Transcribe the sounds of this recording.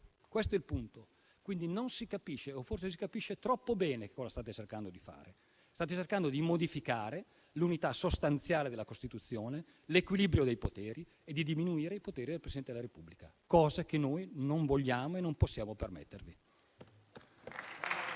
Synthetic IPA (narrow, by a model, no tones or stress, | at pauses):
kwest̪oɛilpunt̪o | kwind̪inonsikapiʃːeoforsesikapiʃːet̪ɾɔpːobɛːneke̥kːɔːzast̪aːt̪et͡ʃerkand̪od̪ifa̰ːɾe | st̪aːt̪et͡ʃerkand̪od̪imod̪ifikaːɾe | lunit̪asost̪ant̪sjaːled̪elːakost̪it̪ut̪sːjoːne | lekwilibɾjod̪ejpot̪ɛːɾi | ed̪id̪iminuiːɾeipot̪ɛːɾid̪elpɾesidɛnt̪ed̪elaɾepubːlikakɔːzekenːojnoɱvoʎːaːmoenːomposːjaːmopermḛt̪ːervi